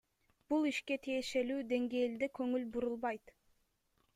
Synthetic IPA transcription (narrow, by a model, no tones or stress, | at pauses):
b̥ulˠiʃke̞t̪ʰije̞ʃe̞lyːd̪e̞ŋɡe̞ːld̪ekʰɵ̞ŋylbuɾulˠβɑjt̪